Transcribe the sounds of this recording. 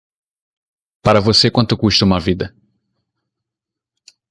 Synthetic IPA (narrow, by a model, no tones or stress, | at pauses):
paɾɐvosekwɐ̃nt̪ʊkuʃt̪ɐũmɐvid̪ɐ